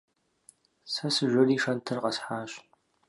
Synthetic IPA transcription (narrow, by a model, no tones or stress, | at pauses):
sɐsɨʒʷʊriːʂɐntʰɨrqɐsħaːɕ